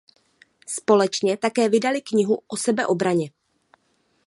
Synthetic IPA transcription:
spo̞lɛt͡ʃɲɛt̪akɛːvɪdalɪkɲɪɦuʔo̞sɛbɛʔo̞bɾaɲɛ

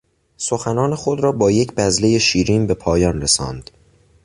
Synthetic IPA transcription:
so̞xænɒːnexo̞d̪ɾɒːbɒːje̞cʰbæzle̞je̞ʃiːɾiːnbe̞pʰɒːjɒːnresɒ̰ːnd̪̥

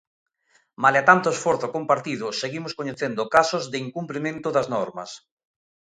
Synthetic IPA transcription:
maleat̪ant̪oesfoɾθʊkompaɾt̪iðʊseɣimʊskoɲeθend̪ʊkasʊzðɪiŋkumplimẽnt̪ʊðɐznɔɾmɐ̰s

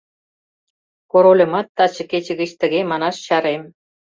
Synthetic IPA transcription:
koɾolʲɤ̆mɑt̪ːɑt͡ɕɤ̆ket͡ɕə̆ɣə̆t͡ɕt̪ə̆ɣemɑnɑʃɕɑɾem

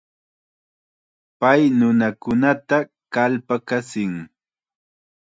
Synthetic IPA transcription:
pajnʊnakʊnat̪a | kalpakasɪŋ

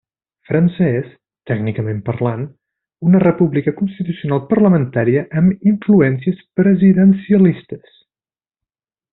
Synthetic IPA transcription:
fɾənsəɛs | t̪ɛɡnikəmempərlan | unərəpuβlikəkunst̪it̪usiunalˠpərləmənt̪aɾiəʔəmiɱfluɛnsiəspɾəziðənsiəlist̪əs

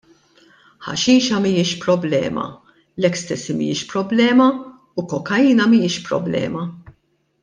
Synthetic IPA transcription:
ħɐ̰ʃiːʃɐmijɪʃpɾɔblɛ̰ːmɐ̰ | lɛkːst̪ɛsimḭjɪʃpɾɔblɛːmɐ | ukɔkːɐiːnɐmijɪʃpɾɔ̰blɛ̰ːmɐ

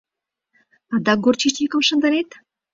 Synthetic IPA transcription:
ɑd̪ɑɡort͡ɕit͡ɕʲikə̆mʃə̆nd̪ə̆ɾet̪

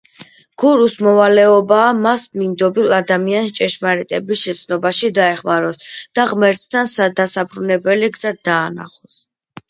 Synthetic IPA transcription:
ɡ̥uɾusmɔvalɛɔbaːmasmind̪ɔbilad̪amianst͡ʃʼɛʃmaɾɛt̪ʼɛbisʃɛt̪sʰnɔbaʃid̪aɛχmaɾɔsd̪̥aʁmɛɾt̪ʼt̪ʰansad̪asapʰɾunɛbɛliɡz̥ad̪aːna̰χɔs

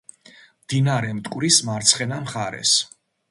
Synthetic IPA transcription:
md̪̥inaɾɛmt̪ʼkʼwɾismaɾt̪sʰχɛnamχaɾɛ̰s

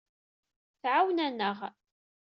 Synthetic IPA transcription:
θʕawnænːəʁ

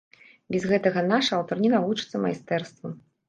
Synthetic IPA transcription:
bʲɛzɣɛt̪ɐɣɐnaʂɐːwt̪ɔrnʲinavut͡ʂɨ̥t̪sːɐma̰jst̪ɛrst̪vɐ

